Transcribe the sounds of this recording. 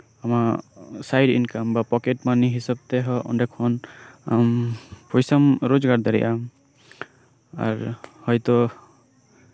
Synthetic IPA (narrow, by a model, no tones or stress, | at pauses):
amasajɖḭnkambapɔkeʈmaniɦisab̚t̪ɛɦɔʔɔ̰nɖɛkʰɔnampɔjsamɾod͡ʒɡaɾd̪aɾɛ̰ʔam | a̰ɾhɔjt̪ɔ